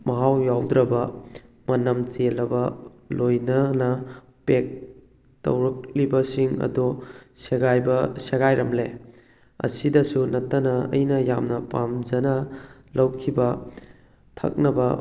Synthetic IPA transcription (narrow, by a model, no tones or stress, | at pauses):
mɐɦawjawd̪ɾɐbɐ | mɐnɐmt͡ʃelɐbɐ | lojnɐnɐ | pek̚ | tɐ̰wɾɐk̚libɐsiŋɐ̰doseɡajbɐseɡajɾɐmle | ɐ̰sidɐsunɐtːɐnɐɐ̰jnɐjamnɐpamd͡ʒɐnɐlɐwkʰibɐ | tʰɐ̰k̚nɐbɐ